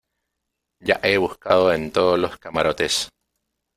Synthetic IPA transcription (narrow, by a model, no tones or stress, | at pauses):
ɟ͡ʝaʔeβuskaðoent̪oðosloskamaɾo̞t̪es